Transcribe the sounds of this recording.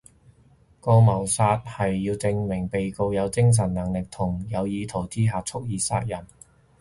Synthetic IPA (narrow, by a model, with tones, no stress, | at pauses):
kɔː˧mɐ˨˩wsaː˧t̚hɐ˨jːiː˧wt͡sɪ˧ŋmɪ˨˩ŋpe˨jko˧wjɐ˨˧wt͡sɪ˥ŋs̬ɐ˨˩nnɐ˨˩ŋlɪ˨k̚t̪ʰʊ˨˩ŋjɐ˨˧wjiː˨˧t̪ʰo˨˩wt͡siː˥ɦaː˨t͡sʰʊ˥k̚jiː˨˧sa̰ː˧˥t̚jɐ˨˩n